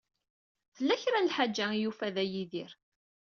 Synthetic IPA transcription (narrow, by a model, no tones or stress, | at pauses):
θəlːæçɾanlħad͡ʒːæjufæðæjiðiɾ